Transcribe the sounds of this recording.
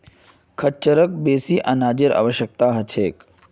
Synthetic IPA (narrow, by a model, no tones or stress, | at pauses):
kʰət͡ʃːəɾək̚beːsiʔɐnaːd͡ʒiɾa̰ːʋəɕjək̚t̪aːɦɐt͡ʃʰeːk